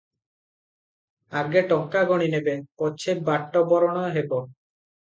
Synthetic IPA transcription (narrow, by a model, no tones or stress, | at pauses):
aɡeʈɔŋkaɡɔɽ̃inebepɔt͡ʃʰebaʈːɔbɔɾɔɽ̃ɔɦebɔ